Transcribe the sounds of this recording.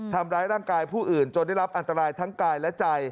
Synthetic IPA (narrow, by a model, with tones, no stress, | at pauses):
t̪ʰa˧mɾaː˦˥jɾaː˥˩ŋkaː˧jpʰuː˥˩ʔɯː˨˩nt͡ɕo˧nda˥˩jɾa˦˥p̚ʔa˧nt̪a˧ɾaː˧jt̪ʰa˦˥ŋkaː˧jlɛ˦˥t͡ɕa˧j